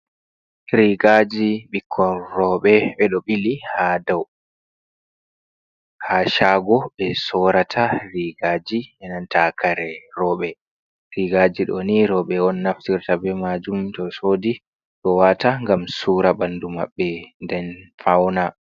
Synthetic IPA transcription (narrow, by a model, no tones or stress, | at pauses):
ɾiɡad͡ʒiɓikʰːɔrɔːɓɛɓɛɗɔɓilihadaw | haʃaːɡɔɓɛsɔɾatʰaɾiɡad͡ʒiɛnantakʰaɾɛɾɔːɓɛ | ɾiɡad͡ʒiɗɔ̰niɾɔɓɛɔnːaftiɾtabɛmad͡ʒumtɔsoːdi | ɗɔwataŋɡamsuːɾabanduma̰ɓːɛndɛnfawna